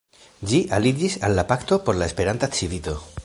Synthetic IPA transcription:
d͡ʒiʔalid͡ʒisalːapakt̪o̞po̞ɾlae̞spe̞ɾant̪at͡sivit̪o̞

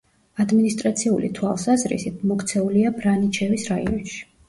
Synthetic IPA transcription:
ad̪minist̪ʼɾat̪sʰiulḭt̪ʰwalˠsazɾḭsit̪̚ʰmɔkʰt̪sʰɛuliabɾanit͡ʃʰɛvisɾaḭɔnʃi̥

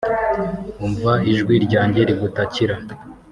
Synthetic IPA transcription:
uɱvaiʒɡwiɾɟaːɲɟe̞ɾiɡutaciɾa

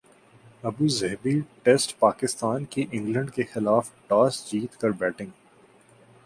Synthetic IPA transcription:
ɐbuːzɛɦbiʈeːsʈpaːkɪst̪aːnkiʔɪ̃ŋɡlə̃ɳɖkexɪlaːfʈaːsd͡ʒiːt̪kɐɾbɛːʈɪ̃ŋɡ

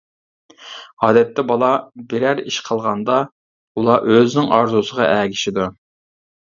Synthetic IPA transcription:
ɑːd̪ɛt̪ːɛbɑlˠɑbeɾæɾḭʃqʰəlˠʁɑnd̪ɑ | ulˠɑʔøznɪŋʔɑɾzusəʁɑ̰ʔæːɡʲiʃid̪u

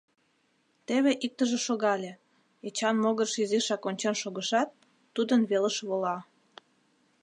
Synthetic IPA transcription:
t̪eβeʔik̚t̪əʒĕʃoɣɑlʲe | et͡ɕɑnmoɣə̆rʃiziʃɑkonʲt͡ɕenʃoɣəʃɑt̪̚ː | ud̪ənβeləʃβolɑ

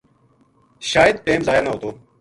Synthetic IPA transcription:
ʃaːjəd̪̚peːmzaːjaːnəɦoːt̪oː

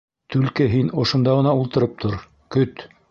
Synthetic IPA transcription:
t̪ʉlkɘɦinŏʃŏnd̪ɑʁɤ̆nɑulˠt̪ɤ̆ɾɤp̚t̪ʰoɾ | kɵt̪

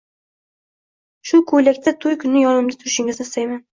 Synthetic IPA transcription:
ʃʊkʰojlakʲt̪ʰat̪ʰʊjkʰʊnːɪjɒnɪmd̪at̪ʰʊɾɪʃɪŋʲɪzasajman

